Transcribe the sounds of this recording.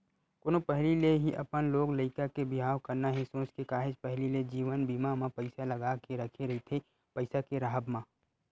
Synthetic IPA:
koːnopɛɦlileɦiʔɐpənloːɡləɪkakebɪɦaːʋkɐɾnaɦisõːt͡ʃkekaːɦɪd͡ʒpɛɦliled͡ʒiːʋənbiːmamãpɐɪsalɐɡakeɾɐkʰeɾɐɦit̪ʰe | pəɪsakeɾaɦəbmã

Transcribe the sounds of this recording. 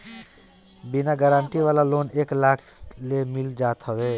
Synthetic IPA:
binaɡəɾaɳʈiβalaloneklakʰlemild͡ʒat̪ɦəbe

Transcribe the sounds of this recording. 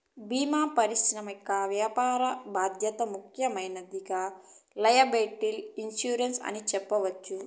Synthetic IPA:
biːmaːpɐɾiʃɾɐmɐkːaʋjaːpaːɾɐbaːd̪ʱjɐt̪ɐmukʰjɐmɐjnɐd̪iɡalɐjɐbeːʈːilinsjuːɾensɐ̰nit͡ʃɛpːɐʋɐt͡ʃːu

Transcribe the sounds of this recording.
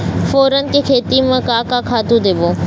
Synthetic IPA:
foːɾənɪ̆kʰeːkʰeːt̪imɐ̃kaːkakʰaːt̪ud̪eːboː

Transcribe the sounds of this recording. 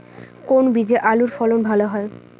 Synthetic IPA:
konbid͡ʑeʔaluɾfɔlonbʱaloɦɔe

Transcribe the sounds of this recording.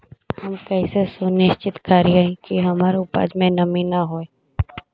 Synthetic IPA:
hɐmkɐisesʊnɪʃt͡ʃɪt̪kaːɾiaĩkiɦɐmaːɾeʊpa̰ːd͡ʒmẽnɐmĩnaɦoːeː

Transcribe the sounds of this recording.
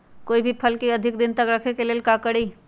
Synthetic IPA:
koibʱipʰəlkiəd̪ʱik̚d̪int̪əkɾəkʰekelelkakəɽi

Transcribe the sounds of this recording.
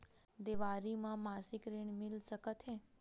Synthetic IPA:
d̪eʋaɾimãmasikɾeɳmilsəkət̪ʰẽ

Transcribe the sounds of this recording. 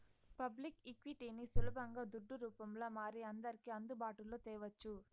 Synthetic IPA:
pɐblikikʋiʈinisulɐbʱɐŋɡaːd̪uɖːuɾuːpɐmloːmaːɾiɐnd̪ɐɾikiɐnd̪ubaːʈuloːt̪ɛːʋɐt͡ʃːu

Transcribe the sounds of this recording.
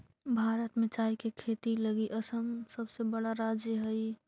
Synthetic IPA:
bʱaːɾət̪mẽt͡ʃaːikekʰeːt̪iləɡiʔəsəmsəbsebəɽaɾaːd͡ʒjəɦəi

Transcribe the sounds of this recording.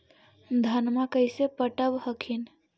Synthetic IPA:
d̪ʱənmãkəɪsepəʈəʋhəkʰin

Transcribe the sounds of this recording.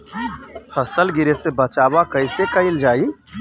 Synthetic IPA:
fʰəsəlɡɪɾesebət͡ʃaːbakəɪsekəɪld͡ʒaːi

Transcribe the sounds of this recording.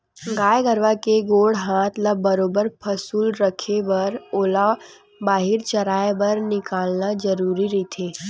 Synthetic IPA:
ɡaːjeɡəɾʋakeɡoːɽɦãːt̪ʰlabɐɾoːbəɾpʰɐsuːlɾəkʰebɐɾoːla | baːɦɪɾt͡ʃɐɾaːebɐɾnɪkaːlnad͡ʒəɾuːɾiɾɐit̪ʰeː

